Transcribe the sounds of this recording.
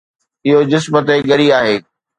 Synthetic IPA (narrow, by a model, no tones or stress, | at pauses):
ɪɦod͡ʑɪsmət̪eɠɐɾiaːɦeː